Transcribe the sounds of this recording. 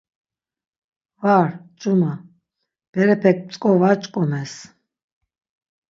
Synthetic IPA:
vaɾt͡ʃʼuma | b̥ɛɾɛpʰɛk̚ʰt͡sʼkʼɔvat͡ʃʼkʼɔmɛs

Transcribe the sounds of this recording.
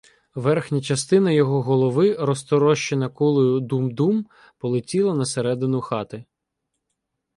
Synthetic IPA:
ʋɛrxnʲɐt͡ʃɐst̪ɪnɐjɔɦɔɦɔlˠɔʋɪɾɔst̪ɔɾɔʃt͡ʃenɐkulˠʊjʊd̪umd̪um | pɔlˠɪtʲilˠɐnɐseɾɛd̪ɪnʊxɑt̪ɪ

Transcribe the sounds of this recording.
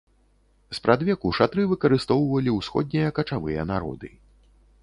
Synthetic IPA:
spɾʔad̪vʲɛkuʂat̪ɾɨvɨkɐɾɨst̪ɔwvɐlʲiuwsxɔ̰d̪̚ʲnʲijɐkɐt͡ʂavɨjɐ̰naɾɔ̰d̪ɨ

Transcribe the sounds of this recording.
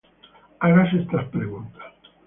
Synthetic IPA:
aɾas̬est̪aspɾeɣunt̪ḁ

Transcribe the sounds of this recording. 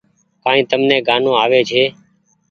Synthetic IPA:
kaːĩːt̪əmnẽːɡaːnõːaːʋeːt͡ʃʰeː

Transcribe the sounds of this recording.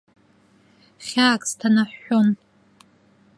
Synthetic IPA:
χʲaːkʼstʰanaħːon

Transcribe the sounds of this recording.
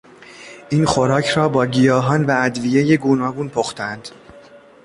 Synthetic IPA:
ʔiːnxoɾɒːcʰɾɒːbɒːɟijɒːɦɒːnvææd̪vije̞je̞ɡuːnɒːɡuːnpʰoxt̪ʰænd̪̥

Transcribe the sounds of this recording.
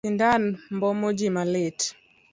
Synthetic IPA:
indanmbɔmod͡ʒimalɪt

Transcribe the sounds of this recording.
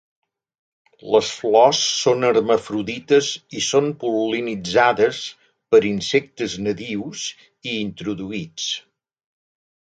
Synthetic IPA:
ləsflɔsːonəɾməfɾuðit̪əzisompulinid͡zaðəs | pəɾinsɛk̚t̪əznəðiwz | iːnt̪ɾuðuit͡s

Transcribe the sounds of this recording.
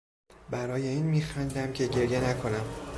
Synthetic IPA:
bæɾɒːje̞iːnmiːxænd̪æmcʰe̞ɟe̞ɾje̞nækʰo̞næm

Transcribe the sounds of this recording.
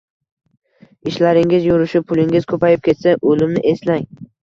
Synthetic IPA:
ɪʃlaɾɪŋʲɪzjʊɾʊʃɪpʰʊlɪŋʲɪz̥kʰɵpajɪp̚kʲʰe̞t̪saʔolɪmnɪʔeslaŋ

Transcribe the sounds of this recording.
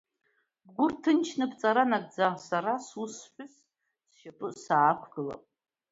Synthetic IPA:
bɡʷʊrtʰɨnt͡ʃʰnɨbt͡sʼaɾanaɡʼd͡zaʁsaɾasusħʷᶣʊs | sʃapʼɨsaːkʷʰɡɨla̰pʼ

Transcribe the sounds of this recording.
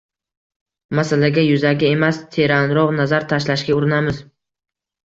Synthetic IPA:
masalaɡʲajʊzaɡʲɪe̞mast̪ʰe̞ɾanɾɒʁnazaɾt̪ʰaʃlaʃkʲaʊɾɪnamɪz

